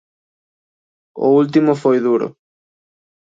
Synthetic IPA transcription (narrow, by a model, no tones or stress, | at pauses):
ʊ̰ult̪̬imofojðuɾo̰